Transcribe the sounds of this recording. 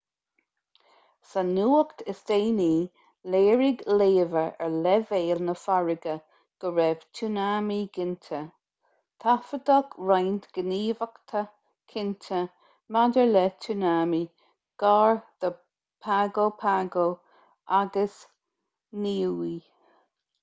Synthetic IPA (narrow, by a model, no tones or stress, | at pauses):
sanuːəkt̪ʰɪsd̪̥eːniː | leːɹɪɡleːvəɹɛɹlɛveːlnəfaɹɪɡə | ɡ̥əɹɛv̥tʰunaːmiɡɪntʰə | t̪ʰafəd̪ɔɡɹajnt̪ɡ̥əniːvəkt̪ʰə | kʰɪntʰə | madəɹlɛtʰunaːmi | ɡ̥aːɹd̥ə | pʰaɡopʰaɡo | aɡəs | niːi